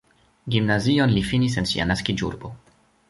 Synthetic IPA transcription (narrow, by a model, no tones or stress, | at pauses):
ɡimnazionlifinis̬e̞nsḭa̰naskid͡ʒṵɾbo̞